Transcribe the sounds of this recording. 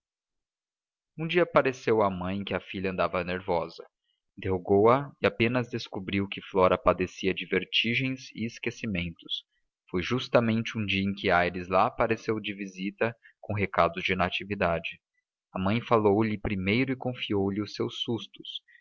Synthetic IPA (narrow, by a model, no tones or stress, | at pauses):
ũd͡ʒiɐpaɾesewɐmɐ̃j̃kɪɐfiʎɐ̃nd̪avɐneɾvɔzɐ̃ | t̪eɦoɡowɐɪapẽnɐzd̪eskubɾiwkɪflɔɾɐpad̪esiɐd͡ʒɪveɾt͡ʃiʒẽj̃zɪ̰ːskesimẽnt̪ʊ̥s | fojʒust̪ɐmẽnt͡ʃɪũd͡ʒiɐẽj̃kɪajɾɪzlapaɾesewd͡ʒɪvizit̪ɐ | kõɦekad̪ʊzd͡ʒɪnat͡ʃivid̪ad͡ʒɪ | ɐmɐ̃j̃falowlɪpɾimejɾʊɪkõfiowlɪʊsewsːust̪ʊ̥s